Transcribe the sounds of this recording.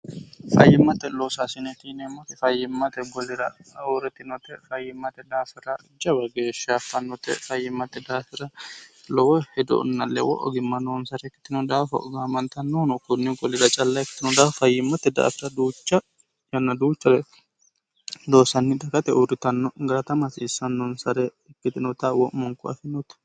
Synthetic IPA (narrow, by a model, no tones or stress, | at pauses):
fɐ̰jːɪmːɐt̪ɛloːsasɪnɛt̪inɛmːɐt̪ɛfɐjːɪmːɐt̪ɛɡɔlɪɾɐuɾɛt̪ɪnɔt̪ɛfɐjːɪmːɐt̪ɛd̪aːfɪɾɐ | d͡ʒɐbɐɡeːʃafɐnːɔt̪ɛ̰fɐjːɪmːɐt̪ːɛd̪aːfɪɾɐlɔwɔhɛd̪ɔ̰ʔʊ̰nːɐlɛ̰wɔ̰ʔɔ̰ɡɪmːɐnɔnsɐɾɛkːɪ̥t̪ːɪnɔd̪aːfɐ̰ʔɔ̰ɡamɐnt̪ɐnːɔnɔkʊnːɪɡɔlɪɾɐt͡ʃʼɐlːɐɛkːɪ̥t̪ːɪnɔd̪aːfɐjːɪmːɐt̪ːɛd̪a̰ːfɪɾɐd̪uːt͡ʃːɐ | jɐnːɐd̪uːt͡ʃːɐlɛ | d̪oːsɐnːɪd̪ɐkɐt̪ɛʔuɾɪt̪ɐnːɔɡɐɾɐt̪ɐmɐsiːsːɐnːɔnsɐɾɛːkːɪt̪ɪnɔt̪ɐwɔʔmɔŋkʊɐ̰fɪnɔt̪ɛ̥